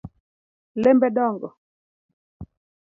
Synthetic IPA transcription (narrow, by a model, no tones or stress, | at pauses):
lɛmbɛɗɔŋɡɔ